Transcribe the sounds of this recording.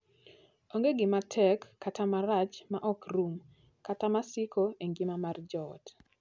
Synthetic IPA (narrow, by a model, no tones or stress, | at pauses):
oŋɡeɡɪmatʰɛkːatamaɾat͡ʃmaʔɔkrum | katamasɪkoeŋɡimamard͡ʒɔt